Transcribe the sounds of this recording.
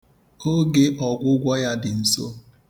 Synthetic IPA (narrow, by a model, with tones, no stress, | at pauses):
o˦ɡe˦ʔɔ˨ɡʷʊ˦ɡʷɔ˦ja˦dɪ˨n̩˨so̰˦